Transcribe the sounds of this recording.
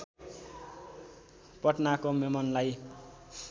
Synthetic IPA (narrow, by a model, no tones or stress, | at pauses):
pʌʈnakomemʌnlaj